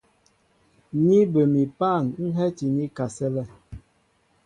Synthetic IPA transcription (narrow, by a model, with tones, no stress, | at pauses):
ɲi˦bə˨mi˨pa˦˨ŋ˦ŋ̩˦ɦɛ˦ti˨ɲi˦ka˨sɛ˦lɛ˦